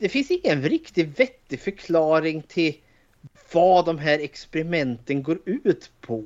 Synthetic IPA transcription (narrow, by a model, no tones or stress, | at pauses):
d̪̥ɛfɪnsɪŋːənɾɪkt̪ɪvɛt̪ːɪfœɾkʰlɑːɾɪŋt̪ʰɪl | vɑd̪ɔmɦæːɾɛkspɛɾɪmɛnt̪ənɡoːɾʉ̟ːt̪pʰɔ